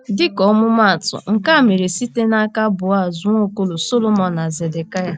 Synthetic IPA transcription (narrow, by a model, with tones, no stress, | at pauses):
dɪ˦kɔ˨˦mʊ˦ma˦˨tʊ̰˨ŋ̩˨ka˦˨me˨ɾe˨si˦te˦na˦ka˦bʊ˨a˦˨zʊ˦ŋʷo˦ko˦lo˨so˦lo˦mɔ˨na˨ze˨de˨ka˦ja˨